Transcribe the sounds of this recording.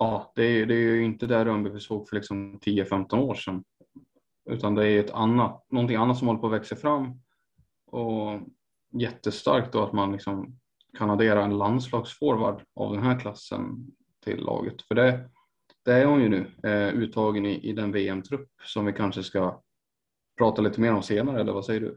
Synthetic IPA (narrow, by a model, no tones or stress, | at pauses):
ɑːd̪̥ɛːɾjd̪ɛːjɵɪnt̪əd̪æɾɵmbəvɪsoːɡfœɭɪksɔmt̪ʰiːəfɛmt̪ɔnoːʂɛn | ʉ̟̰ːt̪and̪ɛæɾjɵɛt̪ʰa̰nːat̪nɔnt̪ɪŋːanːat̪sɔmhɔlːəpʰɔːvɛksəfɾamː | ɔ | jɛt̪ːəst̪a̰ɾk̚t̪̚d̪ɔat̪manlɪksɔm | kʰanad̪eːɾaɛnland̪slɑːɡsfoːɾva̰ɖa̰vd̪ɛnɦæːɾkʰlasːə̰n | t̪ʰɪ̰lːɑ̰ːɡə̰t̪fœɖɛ | d̪̥ɛæɾhʊnjɵnʉ̟ːʉ̟ːt̪ʰːɑːɡənɪʔɪd̪ɛnveːɛmt̪ʰɾɵpːsɔmvɪkʰanʂəska | pʰɾɑːt̪aliːt̪əmeːɾɔmseːnaɾəɛlːə̰ɾvasɛjːəɖɵ̰